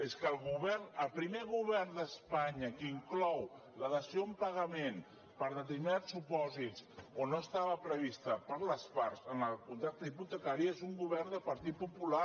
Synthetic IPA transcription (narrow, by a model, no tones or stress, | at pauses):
eskəlˠɣuβɛrnəlˠpɾimeɣuβɛrnd̪əspaɲəkiŋklɔw | ləðəsioəmpəɣəmen | pəɾðət̪əɾminasupɔzit͡sonːoəst̪aβəpɾəβ̞ist̪əpəɾləspaɾzənəkunt̪ɾak̚t̪əiput̪əkaɾiəezuŋɡuβɛrnd̪əpəɾt̪it̪̚pupula